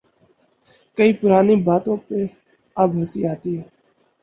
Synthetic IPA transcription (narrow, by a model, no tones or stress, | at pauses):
kəiːpʊɾaːniːbaːt̪õːpe | əbɦəsiaːt̪iːɦɛː